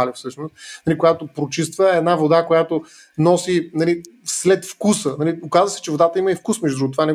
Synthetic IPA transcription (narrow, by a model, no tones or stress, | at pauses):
alifsɤʃnost̪nɐlikojat̪opɾot͡ʃis̬t̪vəɛd̪navod̪akojat̪o | nɔsinɐli | slɛt̪fkusənɐliokazvəsɛ̥t͡ʃɛvod̪at̪əiməifkusmɛʒd̪ud̪uɡot̪ovanɛ